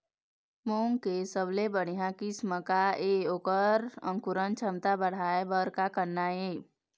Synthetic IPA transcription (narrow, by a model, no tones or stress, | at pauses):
moːŋkesəblebəɽ̤ijãkisməkaeːoːkəɾə̰̃ŋkʊɾənt͡ʃʰəmt̪abəɽ̤aːebəɾkakənːaeː